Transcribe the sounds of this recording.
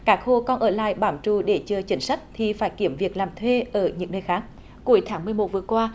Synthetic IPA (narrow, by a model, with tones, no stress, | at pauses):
kaː˦˥k̚xo˧kɔ˧nʔəː˧˩la̰ː˧˨jɓaː˧˩mt͡ɕu˧˩ɗe˧˩t͡ɕə˨˧t͡ɕï˨˦ŋ̟sa˦˥jk̟̚t̪ʰi˨˩faː˧˩jki˧˩əmvi˨˩ək̚laː˨˩mt̪ʰwe˧ʔəː˧˩ɲɨ̰˧˥ŋnəː˧jxaː˦˥k̚ | ku˧˩˦əjt̪ʰaː˨˦ŋmɨ˨˩əjmo˨˩t̚vɨ˨˩əkwaː˧